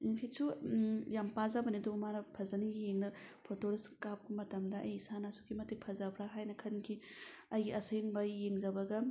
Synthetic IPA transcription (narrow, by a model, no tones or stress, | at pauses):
kʰisujampazabɐnidomanɐpʰɐzɐniɡijeŋnɐpʰotoɾiskap̚kɐmɐtɐmdɐʔɐ̰jsanasukimɐtik̚pʰɐzabɾaɦajnɐkʰɐnkʰi | ɐjɡiɐseŋbɐjeŋzɐbɐɡɐ